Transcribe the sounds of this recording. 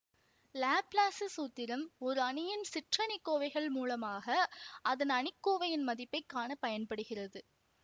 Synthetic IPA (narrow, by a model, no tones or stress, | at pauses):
laːplaːsɯsuːt̪ːɪɾɐmɔɾɯɐɳɪjɪnsɪʈrɐɳɪkːoːʋɐɪɣɐɭmuːlɐmaːɣɐɐðɐnɐɳɪkːoːʋɐjɪnmɐðɪpːɐɪkːaːɳɐpɐjɐnpɐɽɯɣɪrɐðɯ